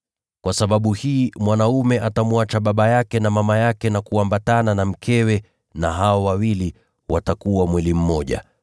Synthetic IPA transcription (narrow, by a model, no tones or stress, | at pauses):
kwʔasaɓaɓuhiːmwanaumɛʔatamuat͡ʃaɓaɓajakɛnamamajakɛnakuambatananam̩kʰɛwɛ | naɦaɔwawili | watakuwamwilim̩mɔʄa̰